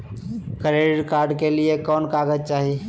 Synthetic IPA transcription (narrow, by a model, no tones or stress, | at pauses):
kəɾeɖɖkaːɾɖkeliekɔːnkaːɡəd͡ʒ̚t͡ʃaːɦi